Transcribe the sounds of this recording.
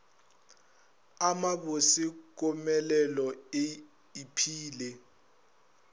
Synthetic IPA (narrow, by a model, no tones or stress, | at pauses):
amaɓosik̬ʼɔmɛlɛlɔe | ipʰiːlɛ